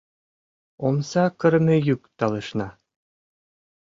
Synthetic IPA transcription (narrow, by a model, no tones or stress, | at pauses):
omsɑkɤ̆ɾmĕjykt̪ɑlˠɤʃnɑ